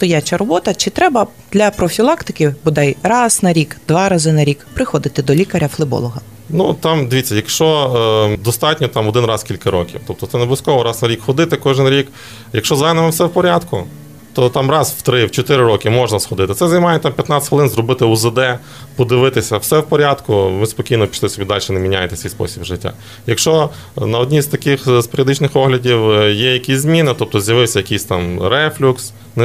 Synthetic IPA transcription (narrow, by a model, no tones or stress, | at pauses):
st̪ɔjat͡ʃɐɾɔbɔt̪ɐt͡ʃɪt̪ɾɛbɐ | d̪lʲɐpɾɔfʲilˠɑkt̪ɪ̥kʲɪbʊd̪ɛjrɑznɐɾʲikd̪ʋɑɾɐzɪnɐɾʲikpɾɪxɔd̪ɪt̪ɪd̪ɔlʲikɐɾʲɐflˠɪbɔ̰lˠɔɦɐ | nut̪ɑmd̪ɪʋʲit͡sʲːɐjɐkʃt͡ʃɔd̪ɔst̪ɑtʲnʲɔt̪ɑmɔd̪ɪnrɑskʲilʲkɐɾɔ̰kʲḭwt̪ɔp̚t̪ɔt̪sɛneblˠiskɔʋɔɾɑznɐɾʲikxɔd̪ɪt̪ɪkɔʒɪnɾʲik | jɐkʃt͡ʃɔzajnɐmɪwsɛwpɔɾʲad̪kʊ̰ | t̪ɔt̪ɑmrɑzwt̪ɾɪwt͡ʃɔt̪ɪɾɪɾɔkʲɪmɔʒnɐsxɔd̪ɪt̪ɪt̪sɛzɐjmɑjɛt̪ɑmpʲjɐt̪nɑt̪ʲɪ̥t̪ʲʋɪlˠɪnzrɔbɪt̪ɪʊzɪd̪ɛ | pɔd̪ɪʋɪt̪ɪsʲɐwsɛwpɔɾʲad̪kʊʋɪspɔkʲijnɔpʲi̥t͡ʃlˠɛsʲɔbʲid̪ɑlʲʃɛnemʲinʲajet̪ɛsʲijspɔ̰sʲibʒɪtʲːa̰ | jɐkʃt͡ʃɔ | nɐɔdʲnʲizt̪ɐkɪxspeɾʲiɔd̪ɪt͡ʃnɪxɔɦlʲɐdʲiwjɛjɐkʲisʲzmʲinɪt̪ɔp̚t̪ɔzjɐʋɪwsʲɐjɐkʲisʲt̪ɑmɾɛflʲuks | nɛ